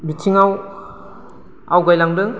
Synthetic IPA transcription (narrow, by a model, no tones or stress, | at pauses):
bitʰiŋaw | awɡajlaŋdɯŋ